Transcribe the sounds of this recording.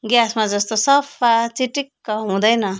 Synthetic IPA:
ɡjasmad͡zʌst̪osʌpʰːat͡siʈikːʌɦũd̪ʌjnʌ

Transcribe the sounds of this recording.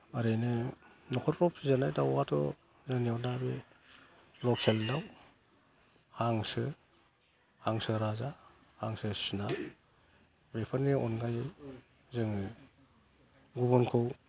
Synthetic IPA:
aɾenɯ | nɔkʰɔtɾɔpʰizanajdawatʰɔ̰ | zɯniadabe | lɔkseldaw | haŋsɯ | haŋsɯɾazahaŋsɯsina | bepʰanniɔnɡaj | zɯŋɯ | ɡubɔnkʰɯw

